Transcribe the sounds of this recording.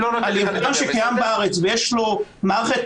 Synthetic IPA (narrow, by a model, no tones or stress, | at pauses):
lonaljevaadaʃekajambaaʁet͡svejeʃlo̞maːʁeχet